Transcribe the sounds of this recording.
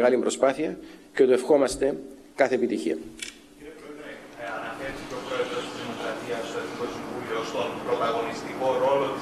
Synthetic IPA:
ɣɐlimbɾo̞spɐθiɐcet̪uefxo̞mɐst̪e̞ | kɐθe̞pit̪içiɐ̰ | ciɾepɾoeðɾeɐnɐfeɾesit̪okɾoet̪ɐst̪iimokɾɐt̪iɐst̪oik̪osiɱvuliost̪onpɾot̪ɐɣo̞nist̪iko̞ɾo̞lo

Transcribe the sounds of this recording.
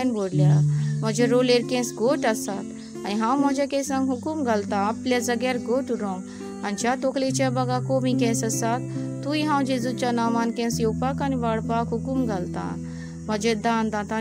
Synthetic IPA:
nboːɽljamɐd͡ʒeɾoleɾkẽːsɡoːʈasat̪ | aniɦãwmɐd͡ʒakẽsɐ̃ŋɡɦukumɡɐlt̪ãɐplʲazɐɡeɾɡoːʈuɾõm | ɐnt͡ʃat̪okʰlet͡ʃabɐɡakomĩkẽːsɐsat̪ːujiɦãːw̃d͡ʒezut͡ʃanaːmaːnkẽːsjowpakaniʋaɽpaːkɦukumɡɐlt̪ã̰ː | mɐd͡ʒed̪aːnd̪ãt̪a

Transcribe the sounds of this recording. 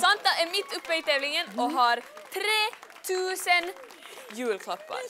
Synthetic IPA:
sɑnt̪ɑɛɾmɪt̪ːʊpːəiːt̪ʰɛːʋlɪŋənoːɦɑɾt̪ʰɾeːt̪ʰʉːsən | jʉːlkʰlɑpːɑ̰ɾ

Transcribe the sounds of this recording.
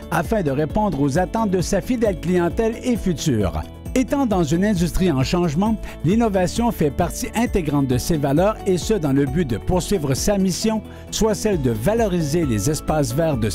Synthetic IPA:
afɛ̃d̪əʁepɔ̃d̪ʁozat̪ɑ̃t̪̚d̪əsafid̪ɛlklijɑ̃t̪ɛlefyt̪y̰ːʁ | et̪ɑ̃d̪ɑ̃zynɛ̃d̪yst̪ʁiɑ̃ʃɑ̃ʒmɑ̃linɔvasjɔ̃fɛpaʁt̪iʔɛ̃t̪eɡʁɑ̃t̪̚d̪əsevalœːʁesəd̪ɑ̃ləbyd̪əpuʁsɥiːvʁəsamisjɔ̃ | swasɛld̪əvalɔʁizelezɛspasvɛːʁd̪ə

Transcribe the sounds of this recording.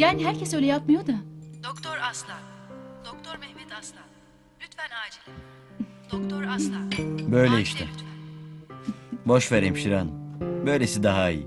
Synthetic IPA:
jaːniɦæɾcʰesølʲɛjap̚majoɾd̪ɯmɪd̪̥okt̪ʰoɾaslˠad̪̥ok̚t̪ʰoɾmɛhmɛt̪aslˠa | lʲyt̪fænaːd͡ʒilʲˠ | d̪̥okt̪ʰoɾaslˠabø̞jlʲeiʃt̪ʰɛ̰ | bo̞ʃveɾejimʃiɾanbø̞jlʲesid̪aɦaḭjḭ

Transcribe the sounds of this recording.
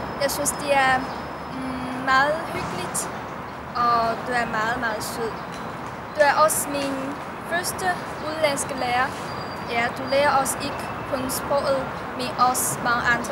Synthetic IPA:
jɑ̈ɪsynsd̥iæɐ | mɑːð̩ˠhyɡ̥əlid̥ | ʔɒd̥uæɐmɑ̈ːð̩ˠmɑ̈ːð̩ˠsyð̰ˠ | d̥uæɐʔɒ̽smin | fɶɐsd̥ə | ʔuðˠlænsɡ̥əleːɐ | jæd̥uleːɐɔ̽se̝ɡ̥ə | kʰɔnsb̥ʁɔð̩ˠ | meʔɒsmɑ̈ŋəʔänd̥ʁə

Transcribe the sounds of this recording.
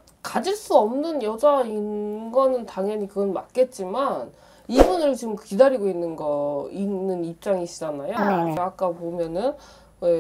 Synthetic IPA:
kad͡ʑiɭs͈uʌmnɯnjʌd͡ʑainɡʌnɯntaŋjʌɲikɯɡʌnma̰k͈e̞t̚t͡ɕ͈iman | ibunɯɭt͡ɕimkidaɾiɡoinːɯnɡʌinːɯnip̚t͡ɕ͈aŋiɕ͈id͡ʑanajokeak͈̚apomjʌnɯn | we̞

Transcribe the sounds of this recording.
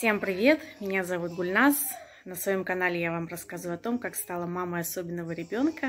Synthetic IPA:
sʲe̞mpɾʲɪvʲe̞t̪mʲɪnʲazɐvut̪̚ɡʊlʲnas | nəsvɐjo̞mkɐnalʲɪjavamrɐskazəvʊɐt̪o̞mkakst̪alˠəmaməɐso̞bʲɪnːəvəɾʲɪbʲo̞nkə

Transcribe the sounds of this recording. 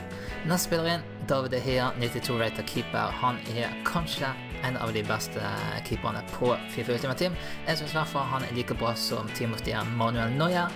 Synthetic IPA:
nɛst̪əspɪləʁiːən | d̪ɑːʋɪd̪əɦeːnɪt̪ɪt̪ʰuːɹaɪt̪ʰəkʰiːpə̰hɑnɛhekʰɑnʃə | ʔɛɪnɑ̰ʋd̪ibɛst̪ʰə̰kʰiːpənə̰pʰɔfɪfəʉlt̪ɪmɑt̪ʰiːmɛsɛsʋæfəɦɑnɛ̰liːkəbʁɑːsɔ̰mt̪ʰiːmʊsd̪ɪəmɑnʉɛlnɔɪə

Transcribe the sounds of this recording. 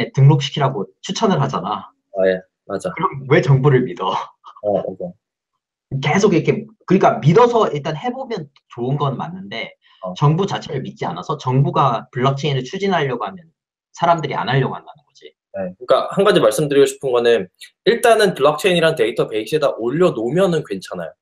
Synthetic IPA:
etɯŋnok̚ɕ͈i̥kʰiɾaɡot͡ɕʰut͡ɕʰʌnɯɭɦad͡ʑana | je | mad͡ʑakɯɾʌmwe̞t͡ɕʌŋbuɾɯɭmidʌ | mad͡ʑa | ke̞sʰoɡiɾʌkʰe̞kɯɾik͈amidʌsʰʌiɭt͈anhe̞bomjʌn | t͡ɕoɯnɡʌnma̰nːɯnde̞ | t͡ɕʌŋbut͡ɕat͡ɕʰeɾɯɭmit̚t͡ɕ͈ia̰nasʰʌt͡ɕʌŋbuɡapɯɭːak̚t͡ɕʰeinɯɭt͡ɕʰud͡ʑinɦaʎːʌɡoɦamjʌn | sʰaɾamdɯɾia̰nɦaʎːʌɡoɦandanɯnɡʌd͡ʑḭ | ekɯik͈ahanɡad͡ʑimaɭs͈ɯmdɯɾiɡoɕʰi̥pʰɯnɡʌnɯn | iɭt͈anɯnpɯɭːak̚t͡ɕʰeiɲiɾante̞itʰʌpe̞ik̚ɕ͈ʰedaʔoʎːʌnomjʌnɯnkwe̞nt͡ɕʰana̰jo

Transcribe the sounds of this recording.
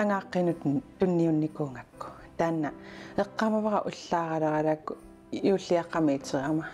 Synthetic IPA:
aŋɑːqːenut̪ənt̪unːiunːikuːŋakːu̥ | t̪anːaeqːɑmavʁɑʔuɬːɑːʁɑɾɑʁɑɾaku | uɬiɑqɑmit͡ʃeʁɑma

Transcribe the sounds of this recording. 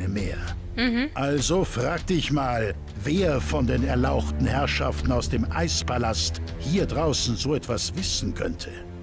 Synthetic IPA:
əmḛːɐ | hʔalzofʁ̥aːk̚təɪçmaːl | veːɐfɔndeːnɛɐlaʊxtn̩hɛɐʃaftn̩aʊsd̥eːmʔa̰ɪspʰalasthiːɐdʁaʊsn̩zoːɛtv̥asv̥ɪsn̩kʰœ̰ntʰə

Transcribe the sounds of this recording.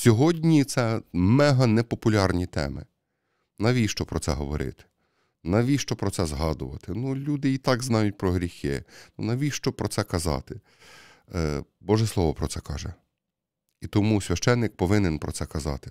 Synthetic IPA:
sʲɔɦɔdʲnʲit̪sɛmɛɦɐnɛpɔpʊlʲɑrnʲit̪ɛ̰mɪ̰ | nɐʋʲijʃt͡ʃɔpɾɔtsɛ̰ɦɔʋɔɾɪ̰t̪ɪ̥ | nɐʋʲijʃt͡ʃɔpɾɔt̪sɛzɦɑd̪ʊʋɐ̰t̪ɪnulʲud̪ɪit̪ɑɡznɑjʊt̚ʲpɾɔɦɾʲixɪ̰nunɐʋʲijʃt͡ʃɔpɾɔt̪sɛkɐzɑ̰t̪ɪ | bɔʒɛslˠɔʋɔpɾɔtsɛkɑ̰ʒɛ | it̪ɔmusʲʋʲɐʃt͡ʃɛnːɪk̚pɔʋɪnɪnpɾɔ̰t̪sɛkɐzɑ̰t̪ɪ̥

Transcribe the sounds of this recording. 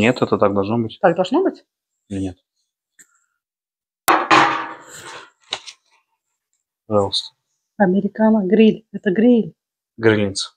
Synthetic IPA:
nʲet̪ɛt̪ət̪aɡ̚d̪ɐlˠʐnobɨtʲt̪aɡd̪ɐlˠʐnobɨtʲ | nʲet̪ | pɐʐɑlˠəst̪ə̥ | ɐmʲɪɾʲɪkanəɡɾʲilʲɛt̪əɡɾʲilʲ | ɡɾʲɪnʲit̪sə̥

